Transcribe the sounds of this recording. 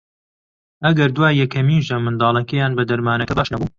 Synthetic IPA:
ʔɐɡɐɾd̪uwaːjjɛkɐmiːnʒɐmɨnd̪ɑːlˠɐkɐjaːnbɐd̪ɐɾmaːnɐkɐd̪aʃɐbu

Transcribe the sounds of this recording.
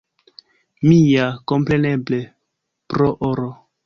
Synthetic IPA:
mijako̞mpɾe̞neble | pɾoʔoɾo

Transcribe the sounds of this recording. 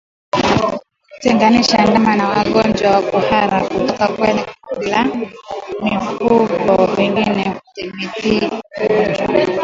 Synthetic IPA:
kutɛŋɡaniʃandamanawaɠɔnd͡ʒwawakuhaɾakutɔkakwɛɛkla | mifuɡɔwɛŋɡinɛutimitiɔd͡ʒwa̰

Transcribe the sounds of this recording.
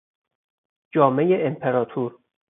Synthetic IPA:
d͡ʒɒːme̞jeʔempʰeɾɒːt̪ʰuɾ

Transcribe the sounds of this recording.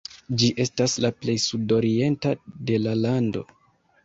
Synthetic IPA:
d͡ʒiʔe̞staslaple̞jsudo̞ɾie̞ntade̞lalando̞̰

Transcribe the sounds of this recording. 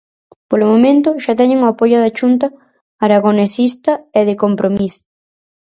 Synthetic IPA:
polʊmomẽnt̪̬ʊʃat̪ɛɲɪŋoapojʊðaʃunt̪̬ɐ | aɾaɣonesist̪ɐeðɪkompɾomis

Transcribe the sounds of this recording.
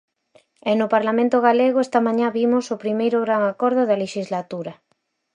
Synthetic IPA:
ɛnʊpaɾlamẽnt̪ʊɣaleɣoɛst̪ɐmãɲãβimosopɾimejɾʊɣɾaŋakɔɾð̞ʊðɐleʃizlat̪uɾɐ

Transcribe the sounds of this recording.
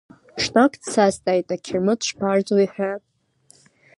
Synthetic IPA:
ʂnakʼdsastʼajtʼakʲʰɪrmɨdʃʷpʰard͡zwiħʷᶣa

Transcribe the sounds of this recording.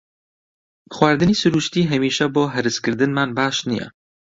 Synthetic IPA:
xwaːɾd̪ɨniːsuɾuːʃt̪iːɦɛmiːʃɛboːɦɛɾɨskɨɾd̪ɨnmaːnbaːʃnijɛ̰

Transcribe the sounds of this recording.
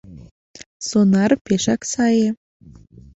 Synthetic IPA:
sonɑrpeʃɑksɑje

